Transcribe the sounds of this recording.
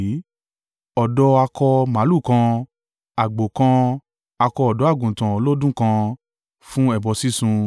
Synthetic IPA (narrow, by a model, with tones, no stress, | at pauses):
ɔ˨dɔ˧˦a˧kɔ˧mã˨˦lu˦˨kã˧ | a˨ɡ͡bo˨kã˧ | a˧kɔ˧ɔ˨dɔ˨˦a˦˨ɡũ˨tã˨o˧˦lo˦dũ˦kã˧ | fũ˦ɛ˦˨bɔ˧si˦sũ˧